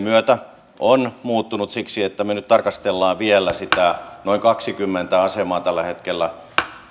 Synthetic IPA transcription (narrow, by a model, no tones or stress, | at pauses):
myøt̪æ | ʔonmuːt̪ːunut̪siksiet̪ːæmønyt̪t̪ɑrkɑst̪elːɑːʋʋielːˑæsit̪ænoiŋkɑksikymːent̪æɑsemɑːt̪ælːæhet̪kelːæ